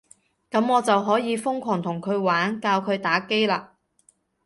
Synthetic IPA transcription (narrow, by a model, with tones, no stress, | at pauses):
kɐ˨˥mɔː˨˧t͡sɐ˨wɦɔː˨˥jiː˨˧fʊ˥ŋkʷʰɔː˨˩ŋt̪ʰʊ˨˩ŋkʰɵ˨˧ɥwaː˨˥nkaː˧wkʰɵ˨˧ɥt̪aː˨˥ke˥jlaː˧